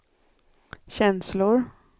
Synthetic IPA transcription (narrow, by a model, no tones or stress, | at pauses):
ɕɛnslʊɾ